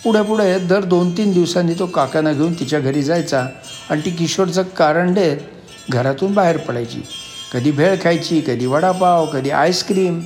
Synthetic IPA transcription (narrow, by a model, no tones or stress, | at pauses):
puɽ̤epuɽ̤ed̪əɾd̪ont̪iːnd̪iʋsãnːiːt̪okakanaɡʱeuːnt̪it͡ɕjaɡʱəɾiːd͡zajt͡sa | aɽit̪ik̬iɕoɾd͡zəkːaɾəɳɖet̪ | ɡʱəɾat̪uːnbaɦeɾpəɽajt͡ɕḭːkəd̪ʱiːbʱeɭkʰajt͡ɕiːkəd̪ʱiːʋəɽapawkəd̪ʱiːʔa̰jskɾiːm